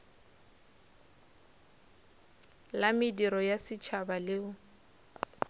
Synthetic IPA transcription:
lamɪdiɾɔjasɪt͡ʃʰabalɪʊ

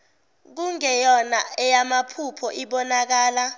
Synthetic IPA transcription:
k̬uŋɛjɔnaɛjamapʰupʰɔʔiɓɔnak̬aːla

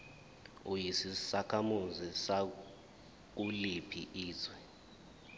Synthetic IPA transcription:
ujisisakʰamuzisa | k̬ulipʰḭʔiːzwɛ

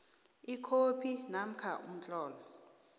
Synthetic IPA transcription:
ikʰopʰinam̩kʰaʔṵm̩t͡ɬʼɔːlɔ

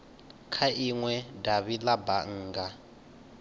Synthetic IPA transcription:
kʰaʔiŋwɛdaβilabaŋ̩ːɡa

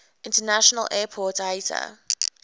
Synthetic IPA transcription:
ɪ̃ntənaʃɔnəlʔɛːpʰɔˑtaɪtə̰

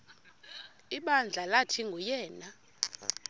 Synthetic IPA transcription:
iɓand͡ɮʱalatʰiŋɡʱujɛːna

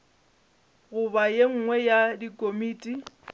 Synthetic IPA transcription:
ɣʊbajeŋ̩ŋwɛjadikʼomiːtʼi

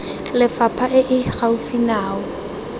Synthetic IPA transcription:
lɪfapʰaʔɪʔɪɣaufinaːɔ

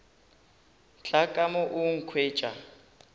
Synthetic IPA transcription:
t͡ɬakʼamɔʔuŋ̩kʰweːt͡ʃʼa

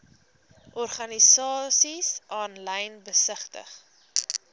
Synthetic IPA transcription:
ʔɔrχɐnisɑːsisʔɑːnləjnbəsəχtə̰χ

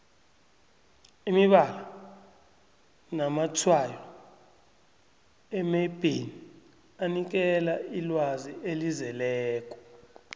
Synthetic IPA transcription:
imiɓala | namatʰwajɔ | ɛmeb̥ʱini | anik̬ɛlailwaziʔelizɛlɛːk̬ʼɔ̥

